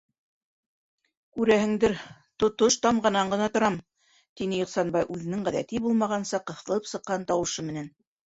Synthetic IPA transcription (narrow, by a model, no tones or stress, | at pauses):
kʉɾæhɘ̆ŋd̪ɘɾ | t̪ŏt̪oʃt̪ɑmʁɑnɑɴɢɤ̆nɑt̪ŏɾɑm | t̪inɘjŏqsɑnbɑjʔʉðɘ̆nɘŋʁæðæ̰t̪ibulˠmɑʁɑnsɑqɤ̆θɤ̆lˠɤpsɤ̆qːɑnt̪ɑwɤ̆ʃɤmɘ̆næn